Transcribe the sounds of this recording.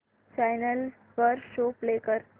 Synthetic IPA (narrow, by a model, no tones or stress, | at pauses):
t͡ɕajnəl | fəɾʃoplekəɾ